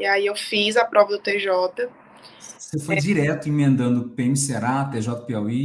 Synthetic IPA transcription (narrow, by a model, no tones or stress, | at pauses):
iaiewfizɐpɾɔvɐd̪ʊt̪eʒɔt̪ɐ | sefojd͡ʒiɾɛt̪ʊĩmẽnd̪ɐ̃nd̪ʊpeemiseaɾat̪eʒɔt̪ɐpeawi